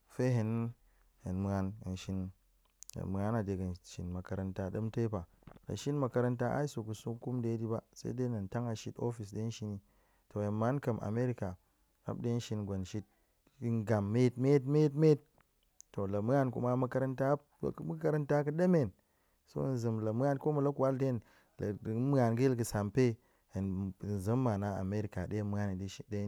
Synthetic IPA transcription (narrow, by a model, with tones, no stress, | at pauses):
fe˦ɦe˨n | he˨nmu˨˦a˦nḭ˨nʃi˦n̰˨ | mɨ˨a˦na˨de˨ɡə˨nʃḭ˨nmɐ˨kɐ˨ɾa˨nta˦ɗɐ˦mte˦pa˨ | la̰˨ʃi˦nmɐ˨kɐ˦ɾa˦nta˦ʔa̰˦i˦so˨ku˨su˦ku˦mde˦di˦ba˦sa̰˦de˦na˨n˨ta˦ŋa˨ʃi˦to˦fi˨s̬de˦n˦ʃi˦ni˦ | to˨je˨nma˨˦nkɐ˨mʔa̰˨me˦ɾi˦ka˨ | a̰˦b̚de˦ʃi˨˦nɡʷo˨nʃi˦t̚ | nɡa˨mːe˦t̚me˦tme˦tme˦t̚ː | o˨lə˨mɨ˦a˦nkṵ˦ma˦mu˦kɐ˦ɾa˦nta̰˦˨ | kmu˦ka˦ɾa˦nta˦kɨ˦ɗe˦me˨n | so̰˦˨n˨zə˨mlə˨mə˦a˦nko˦mu˨la˦ku˦wa˦lde˦n | lmɨ˦a˨nɡə˦˨ɡə˨sa˨mpe˦ | ə˨n˨zə˦mːa˨na˦a̰˨me˦ɾi˨ka˨ɗe˦mɨ˦a˦ni˨di˦ʃi˦de˦